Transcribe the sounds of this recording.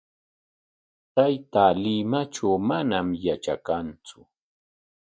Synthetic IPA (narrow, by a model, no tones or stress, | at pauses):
t̪ajt̪aːlɪmaʈ͡ʂawmanamjat͡ʃa̰kant͡sʊ